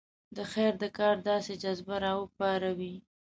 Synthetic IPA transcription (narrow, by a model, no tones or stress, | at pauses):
d̪əxeɾd̪əkɑɾd̪ɑsed͡ʒazbaɾɑwəpɑɾawi